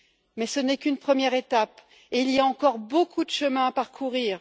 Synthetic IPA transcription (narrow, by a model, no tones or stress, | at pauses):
mɛsənɛkynpχəmjɛʁet̪ap | eilijaɑ̃kɔʁbokud̪əʃəmɛ̃apaʁkʰuʁiːʁ